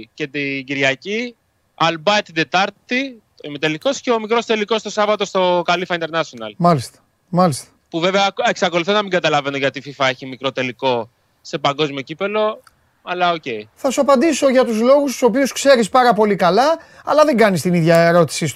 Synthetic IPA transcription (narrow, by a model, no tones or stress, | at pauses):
ce̞t̪iɟiɾʝɐci | ɐlbɐet̪id̪e̞t̪ɐɾt̪it̪oimet̪e̞liko̞sceomikɾo̞st̪e̞liko̞st̪o̞sɐvɐt̪o̞st̪o̞kɐlifɐind̪eɾnɐsonɐ̰lmɐlist̪ɐ̥ | mɐlist̪ɐ̥puve̞veɐeksɐko̞luθonɐmiŋɡɐt̪ɐlɐve̞no̞ʝɐt̪ififɐeçimikɾo̞t̪e̞liko̞ | se̞pɐŋɡo̞zmio̞cipe̞lo̞ | ɐlɐoce̞iθɐsuɐpɐnd̪iso̞ʝɐt̪uzlo̞ɣus̬t̪u̥so̞piuskse̞ɾispɐɾɐpo̞likɐlɐ | ɐ̰lɐðe̞ŋɡɐnist̪iniðʝɐeɾo̞t̪i̥sis